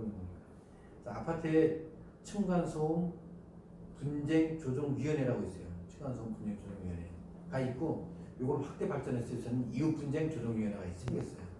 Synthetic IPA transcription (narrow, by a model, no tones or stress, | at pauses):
knɡoɲika | t͡ɕ͈aapʰatʰɯe | t͡ɕʰɯŋɡansʰoŋ | pund͡ʑe̞ŋt͡ɕod͡ʑoŋɥiʌneɾaɡois͈ʌjot͡ɕʰɯŋɡwansʰoŋpund͡ʑe̞ŋt͡ɕod͡ʑoŋɥiʌne | kait̚k͈ojoɡʌɭɸwak̚t͈e̞baɭt͡ɕ͈ʌnes͈ɯsʰʌnɯniupund͡ʑe̞ŋt͡ɕod͡ʑoŋɥiʌneɡais͈ɯmɡes͈ʌjo